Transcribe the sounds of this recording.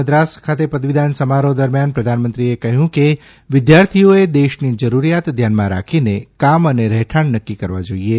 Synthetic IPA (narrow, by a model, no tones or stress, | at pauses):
əd̪ɾaskʰat̪epəd̪ʋid̪ʱansəmaɾod̪əɾmjanpɾəd̪ʱanmənt̪ɾiekəɦjũke | ʋɪd̪jaɾt̪ʰijoed̪eʃnid͡ʒəɾuɾijat̪d̪ʱjanmãɾa̰kʰinekaməneɾɛɦʈʰaɳnəkːikəɾʋad͡ʒoie